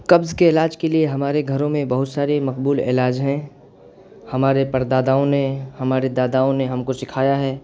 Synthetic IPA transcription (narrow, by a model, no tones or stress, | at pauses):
kɐbzkeɪlaːd͡ʒkelieɦɐmaːɾeɡʱɐɾõmẽbɐɦʊt̪saːɾemɐqbuːlɪ̰laːd͡ʒɦɛ̃ | hɐmaːɾepɐɾd̪aːd̪aːõnehɐmaːɾed̪aːd̪aːõneɦɐmkosɪkʰaːjaɦɛː